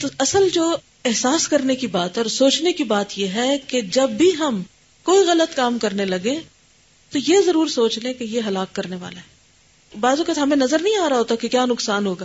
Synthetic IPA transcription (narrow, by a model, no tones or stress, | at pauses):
t̪oɐsəld͡ʒoː | ɪɦsaːskɐɾnekibaːt̪ɔːɾsoːt͡ʃnekibaːt̪jeɦɛked͡ʒɐbːʱiɦɐm | koːiɣɐlət̪kaːmkɐɾnelɐɡẽ | t̪ojezɐɾuːɾsoːt͡ʃlẽkejeɦɐlaːkːɐɾneʋa̰ːlaɦɛː | baːzõkɐt̪ɦɐmẽnɐzəɾnɐɦĩaːɾaɦoːt̪akekjaːnʊksaːnɦoːɡaː